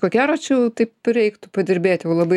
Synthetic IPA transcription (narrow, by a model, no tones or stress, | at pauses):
koːkʲæːɾoːt͡ʃʲɛʊt̪ɐɪpɾʲɛɪkt̪ʊpɐdʲɪɾʲbʲeːt̪ʲjɛʊlˠɐbɐɪ